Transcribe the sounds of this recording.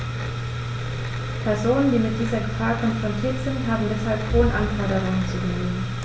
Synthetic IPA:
pʰɛɐzoːnəndiːmɪt̚d̥iːzɐɡəfaːɐkʰɔnfʁ̥ɔntʰiːɐtz̥ɪntɦaːbm̩dɛshalphoːənʔanfɔɐɾəʁʊŋənt͡suɡeːən

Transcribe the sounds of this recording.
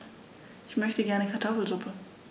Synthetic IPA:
ʔɪçmœçtəɡɛɐnəkʰaɐtʰɔfl̩zʁʊpʰə

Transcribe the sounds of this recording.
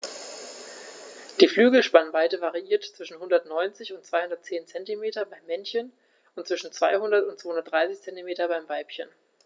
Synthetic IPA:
d̥iːflyːɡl̩ʃpanvaɪtəvaʁiʔiːɐtt͡sv̥ɪʃn̩hʊndɐtnɔʏnt͡sɪçʊntt͡sv̥aɪhʊndɐtt͡seːnt͡sɛntimeːtɐbaɪmːɛnçən | ʊnt̚t͡sv̥ɪʃn̩t͡sv̥aɪhʊndɐtʊntt͡soːhʊndɐtd̥ʁaɪsɪçt͡sɛntimeːtɐbaɪmvaɪpçən

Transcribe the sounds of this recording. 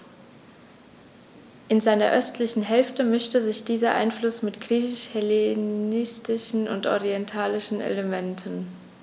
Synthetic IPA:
ʔɪnzaɪnɐ̰ʔœstʰlɪçn̩ɦɛlftəmʏʃtəzɪçd̥iːzɐʔa̰ɪnflʊsmɪtɡ̥ʁiːçɪʃhɛlenɪstɪʃn̩ʊ̰ntʔɔ̰ʁiɛntʰaːlɪʃn̩ʔḛləmɛntʰən

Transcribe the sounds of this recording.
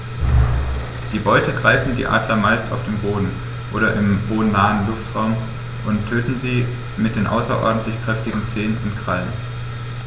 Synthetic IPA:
d̥iːbɔʏtəɡʁaɪfn̩dḭːʔa̰ːdlɐmaɪsta̰ʊfd̥eːmboːdn̩ | ʔoːɾɐʔɪmhoːənːaːənlʊftʁ̥aʊm | ʔʊntʰːøːtn̩ziː | mɪt̚d̥eːnʔa̰ʊsɐ̰ʔɔ̰ɐdn̩tlɪçkʁ̥ɛftɪɡŋ̩t͡seːənʊntkʁ̥alən

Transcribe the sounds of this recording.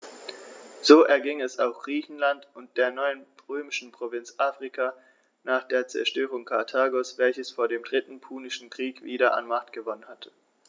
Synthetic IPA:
z̥oːʔɛɐɡɪŋɛsaʊxɡ̥ʁiːçn̩lantʊnt̚d̥eːɐnɔʏənʁøːmɪʃn̩pʁ̥ovɪnt͡sʔaːfʁ̥ikʰaː | naːχd̥eːɐt͡sɛ̰ɐʃtøːʁ̞ʊŋkʰaɐtʰaːɡosv̥ɛlçəsfoːɐdeːmdʁɪtn̩pʰuːnɪʃn̩kʁ̥iːkv̥iːɾɐʔa̰nmaχtɡ̥əvɔnənhatʰə̥

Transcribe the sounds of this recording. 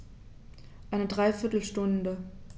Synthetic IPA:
ʔaɪnədʁaɪfɪɐtl̩ʃtʊndə

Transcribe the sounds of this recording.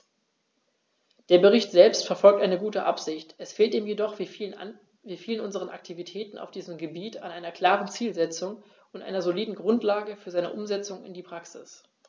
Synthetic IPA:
d̥eːɐbəʁ̞ɪçtz̥ɛlpstfɛɐfɔlk̚tʔaɪnəɡuːtəʔa̰pz̥ɪçtʔɛsfeːltiːmjedɔχ | viːfiːlənʊnzəʁənʔa̰k̚tʰivitʰɛːtn̩ʔa̰ʊfd̥iːzəmɡəbiːtanʔaɪnɐkl̥aːʁənt͡siːlzɛt͡sʊŋ | ʊntʔa̰ɪnɐzoliːdn̩ɡʁʊntlaːɡəfyːɐzaɪnəʔʊmzɛt͡sʊŋɪ̰ndiːpʁ̥aksɪ̰s

